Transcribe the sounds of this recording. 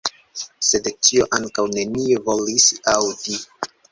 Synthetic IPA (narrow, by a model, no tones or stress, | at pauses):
se̞dt͡ʃio̞ʔaŋkawne̞nievo̞lisawdi